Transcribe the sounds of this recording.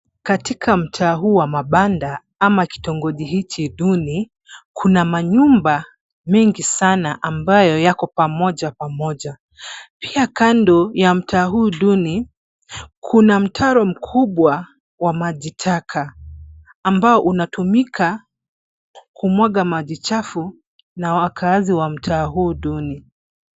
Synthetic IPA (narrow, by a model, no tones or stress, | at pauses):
katikʰam̩tʰaːhuːwamaɓanda | amaki̥tɔŋɡɔʄiɦit͡ʃiɗuni | kʰunamaɲumba | mɛŋɡisanaʔambajɔjakɔpamɔʄapamɔʄa | piakandɔjam̩tʰaːɦuːɗuni | kʰunam̩tʰaɾɔm̩kʰuɓwa | wamaʄitʰakʰaː | mbaɔʔunatumikʰa | kʰumwaɠamaʄit͡ʃafu | nawakʰaːziwam̩tʰaːɦuːɗuni